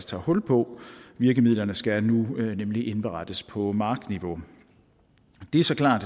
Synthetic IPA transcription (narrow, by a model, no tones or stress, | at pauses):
st͡sʰɑ̰̈ːhɔ̽l̰pʰɒ̽ʋiɐɡ̥əmið̰ˠlɐnəsɡ̥ænunemliʔe̝nb̥əʁɑ̈d̥əspʰɒ̽mɑ̈ːɡ̥d̥niʋo̝ | d̥e̝æɐsɒ̽kʰlɑ̰̈ːd̥